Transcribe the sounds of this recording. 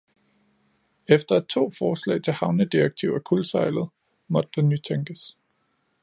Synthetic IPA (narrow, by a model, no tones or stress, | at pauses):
efd̥ɐæd̥̚t͡sʰo̝̰ːfɒːslɛ̰ɪt͡sʰe̝lhɑ̈ʊnəd̥iɐɡ̥̚t͡sʰiʊ̰ækʰulsɑ̈ɪlð̞̩ˠ | mɒ̽d̥̚d̥enːyt͡sʰeŋɡ̥əs